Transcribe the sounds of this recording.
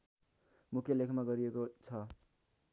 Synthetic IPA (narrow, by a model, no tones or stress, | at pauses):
mukʰjelekʰmaɡʌɾiekot͡sʰʌ